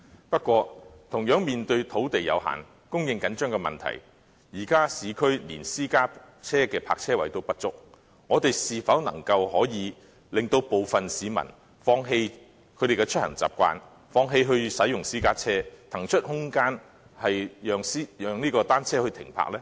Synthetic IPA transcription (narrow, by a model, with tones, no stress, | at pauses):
pɐ˥t̚kʷɔː˧t̪ʰʊ˨˩ŋjœː˨˥ŋmiː˨nt̪ɵ˧ɥt̪ʰo˨˥wt̪e˨jjɐ̰˨˧wɦa̰ː˨˩n | kʊ˥ŋjɪ˨˧ŋkɐ˨˥nt͡ʃœː˥ŋkɛː˧mɐ̰˨nt̪ʰɐ̰˨˩j | jiː˨˩kaː˥siː˨˧kʰɵ˥ɥliː˨˩nsiː˥kaː˥ | t͡sʰɛː˥kɛː˧pʰa̰ː˧k̚t͡sʰɛː˥wɐ̰˨˩jt̪o˥wpɐ˥t̚t͡sʊ˥k̚ | ŋɔː˨˧t̪e˨jsiː˨fɐ˨˥wnɐ̰˨˩ŋkɐ˧wɦɔː˨˥jiː˨˧ | lɪ˨ŋt̪o˧wpo˨wfɐ˨nsiː˨˧mɐ̰˨˩n | fɔː˧ŋɦe˧j | kʰɵ˨˧t̪e˨˩kɛ˧t͡ʃʰɵ˥t̚hɐ̰˨˩ŋt͡sa̰ː˨p̚kʷa̰ː˧n | fɔː˧ŋɦe˧jɦɵ˧ɥsɐ˨˥jʊ˨˩ŋsiː˥kaː˥t͡sʰɛː˥t̪ʰɐ˨˩ŋt͡ʃʰɵ˥t̚hʊ˥ŋkaː˥n | hɐ˨jjœː˨ŋsiː˥jœː˨ŋniː˥kɔː˧t̪aː˥nt͡sʰɛː˥hɵ˧ɥt̪ʰɪ˨˩ŋpʰa̰ː˧k̚lɛː˥